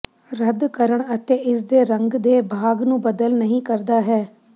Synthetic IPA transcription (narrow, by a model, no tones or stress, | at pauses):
ɾəd̪kəɾəɳət̪eːʔɪs̬d̪eːɾəŋɡd̪eːbʱaːɡnũːbəd̪əlnəɦĩːkəɾd̪aːɦɛː